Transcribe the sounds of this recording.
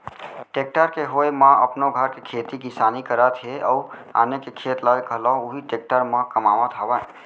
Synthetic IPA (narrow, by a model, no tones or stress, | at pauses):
ʈek̚ʈəɾkeɦojmãə̰pnoɡʱəɾkekʰet̪ikisanikəɾət̪ɦeəua̰ːnekekʰet̪ləjkəlɔuɦiʈek̚ʈəɾmãkəmamət̪ɦəbə